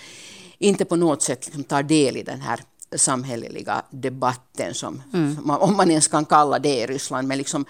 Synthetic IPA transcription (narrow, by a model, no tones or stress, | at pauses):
ɪnt̪ːəpɔnoːɡt̪sɛt̪ːlɪ̥ksɔmt̪ʰɑːɖeːlid̪ɛ̰nɦæ̰ːɾsɑmɦɛlə̰lɪ̰ɡa̰d̪ɛbɑt̪ːə̰nsɔ̰mɔmːɑnɛnskɑnkɑlːad̪ɛiɾʏsland̪mɛnlɪksɔm